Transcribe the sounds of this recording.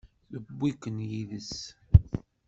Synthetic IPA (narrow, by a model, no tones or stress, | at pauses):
θəbːikənjiðəs